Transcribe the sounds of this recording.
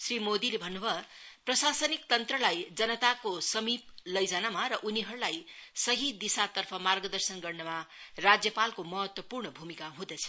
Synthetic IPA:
srimod̪ilebʱʌnːubʱʌprʌsasʌnik̚t̪ʌnt̪rʌlajd͡zʌnʌt̪akosʌmip̚lʌjd͡zanamaɾʌʔuniɦʌɾulajsʌɦid̪isat̪ʌrpʰʌmarɡʌd̪ʌrsʌnɡʌrnʌmarad͡zjʌpalkomʌɦʌt̪wʌpurɳʌbʱumikaɦũd̪ʌt͡sʰʌ̥

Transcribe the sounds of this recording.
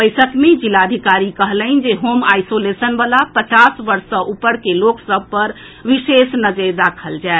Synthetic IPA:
əjsəkmed͡ʒilad̪ʱikaɾikəɦləɪnd͡ʒeɦomajsolesənbalapət͡ʃasʋəɾsə̃ʔupəɾkeloksəb̚ʱpəɾ | ʋisesnəd͡ʒəd̪akʰəld͡ʒae

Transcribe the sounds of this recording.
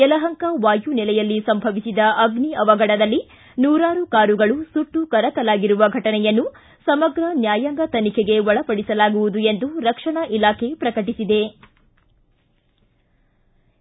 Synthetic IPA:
ɛlɐɦɐŋkɐʋaːjunɛlɛjɐlːisɐmbʱɐʋisid̪ɐʔɐɡniɐʋɐɡɐɽɐd̪ɐlːi | nuːɾaːɾukaːɾuɡɐɭusuʈːukɐɾɐt̪ɐlaːɡiɾuʋɐɡʱɐʈɐnɛjɐnːu | sɐmɐɡɾɐnjaːjɐŋɡɐt̪ɐnikʰeɡe̞ʋɔɐɭɐpɐɽisɐlaːɡuʋud̪uend̪uɾɐkʂɐɳɐʔilaːkʰe̞pɾɐkɐʈisid̪e̞

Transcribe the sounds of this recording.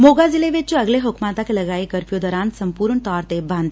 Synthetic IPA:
moɡad͡zileʋet͡ɕuəɡleɦokmat̪akeləɡaikəɾpjod̪əɾãnsəmpuːɾɳt̪ɔɾt̪ebãnd̪

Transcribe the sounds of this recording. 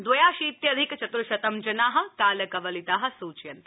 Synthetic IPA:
d̪ʋɐjaːʃiːt̪jɐd̪ʱikt͡ʃɐt̪ɾuʃɐt̪ɐmd͡ʒɐnaːɦɐ̆kaːlɐkɐʋɐlit̪aːɦɐ̆suːt͡ʃjɐnt̪

